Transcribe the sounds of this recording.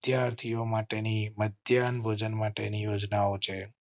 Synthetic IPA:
d̪jaɾt̪ʰijomaʈeniməd̪janbʱod͡ʒənmaʈenijod͡ʒnaot͡ʃʰe

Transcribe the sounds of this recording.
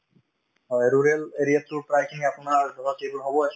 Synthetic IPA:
ɦɔjɹuɹeleɹijatʊpɹajkʰiniapʊnaɹbʱɔɦɔtejbɔɹɦɔbɔas

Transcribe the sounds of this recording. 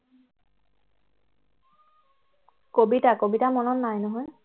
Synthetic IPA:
kobitakobitamɔnɔnːajnɔɦɔj

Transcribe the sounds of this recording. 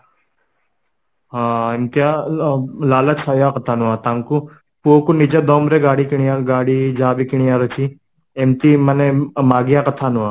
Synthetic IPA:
ɦaːemt̪ija | laːlɐt͡ʃʰajakɐt̪ʰaːnuʋat̪aŋku | puokunid͡ʒɐd̪oːmɾeɡaːɽikiɽ̃ijaɡaːɽid͡ʒaːbikiɳ̃ijaːɾot͡ʃi | emt̪imɐnemaːɡijakɐt̪ʰaːnuʋaː

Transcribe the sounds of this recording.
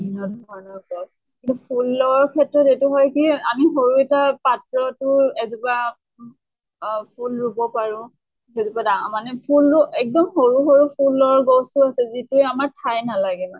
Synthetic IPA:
ɔnɔbanɔkɔ | kĩntupʰulːɔɔɹɹkʰɛtɹɔtetuɦɔjkiamiɦoɹuɛtapatɹɔtʊɛziba | pʰulɹubɔpaɹʊ̃ | ɛzibadaŋamanɛpʰulʊɛk̚dɔmhoɹuɦoɹupʰulːɔɔɹɡɔwsuasɛzituɛamaɹtʰajnalaɡɛma

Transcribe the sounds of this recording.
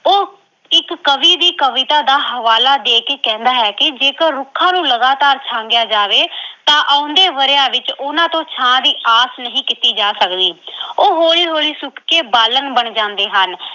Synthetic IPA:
oː | ɪkːəʋiːd̪iːkəʋɪt̪aːd̪aːɦəʋaːlaːd̪eːkeːkɛ̃ːnd̪aːɦɛːkɪd͡ʒeːkəɾʊkʰːãːnũːləɡaːt̪aːɾt͡ʃʰãːŋɡjaːd͡ʒaːʋeːt̪ãːʔaːʊ̃nd̪eːʋəɾjaːʋɪt͡ʃʊnãːt̪õːt͡ʃʰãːd̪iːʔaːsnəɦĩːkɪt̪iːd͡ʒaːsəkd̪iːoːɦoːliːɦoːliːsʊkʰkeːbaːlənbəɳd͡ʒãːnd̪eːɦən

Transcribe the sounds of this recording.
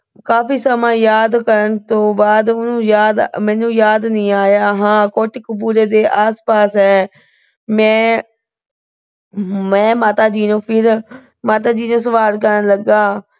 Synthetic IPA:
kaːpiːsəmãːjaːd̪kəɾəɳt̪õːbaːd̪ʊnũːjaːd̪mɛ̃ːnũːjaːd̪nĩːaːjaːɦãːkoːʈɪkpuːɾeːd̪eːʔaːspaːsɦɛː | mɛ̃ː | mɛ̃ːmaːt̪aːd͡ʒiːnõːpʰɪɾ | maːt̪aːd͡ʒiːnõːsəʋaːlkəɾənləɡaː

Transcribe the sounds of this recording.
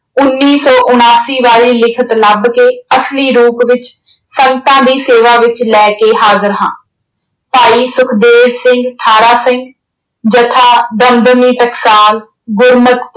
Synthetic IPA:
ʊnːiːsɔːʔʊnaːsiːʋaːɭiːlɪkʰət̪ləbkeːəsliːɾuːpʋɪt͡ʃ | səŋɡt̪ãːd̪iːseːʋaːʋɪt͡ʃlɛːkeːɦaːzəɾɦãː | paːiːsʊkʰd̪eːd͡ʒsɪ̃ŋɡʈʰaːɾaːsɪ̃ŋɡ | d͡ʒət̪ʰaːd̪ənd̪əmiːpɛksaːl | ɡʊɾmət̪

